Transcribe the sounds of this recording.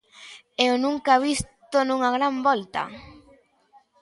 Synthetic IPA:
ewnũŋkaβist̪onũŋaɣ̞ɾambɔlt̪a̰

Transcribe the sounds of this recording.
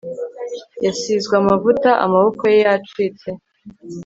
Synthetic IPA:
jasiːzɡwamavutaʔa̰maβo̞kojejat͡ʃiːt͡se̞

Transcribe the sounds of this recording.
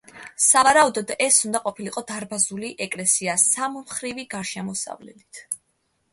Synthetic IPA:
savaɾaud̪ɔd̪ɛsund̪aqʼɔpʰiliqʼɔd̪aɾbazuliʔɛkʼlɛsiasammχɾiviɡaɾʃɛmɔsa̰vlɛ̰d̪it̪ʰ

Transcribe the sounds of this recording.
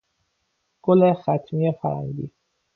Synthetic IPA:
ɡ̥olexæt̪ʰmijefæɾæ̰nd̪ḭː

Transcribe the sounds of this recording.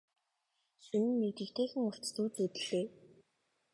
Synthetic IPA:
sunɘ̆nːet̪ɘ̆kt̪ʰeːxɘ̆ŋʊr̥t͡st̪uːt̪ut̪ɘ̆ɮ̥eː

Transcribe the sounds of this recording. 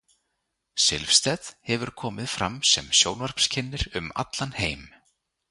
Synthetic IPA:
sɪ̰lfst̪ɛðhɛvʏɾ̥kʰɔːmɪðfɾamsɛmsjoːwnvaɾ̥pscʰɪnːɪɾʏma̰t̪lanheːjm

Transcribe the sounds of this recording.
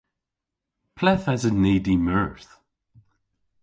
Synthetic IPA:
pʰlɛθazəneːdiməɹθ

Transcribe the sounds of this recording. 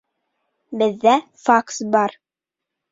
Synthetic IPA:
bɘ̆ðːæfaksbɑɾ

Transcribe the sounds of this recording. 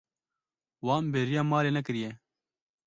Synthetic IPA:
wɑːmbeːɾijɑːmɑːɾeːnɛk̬ɨɾijɛ

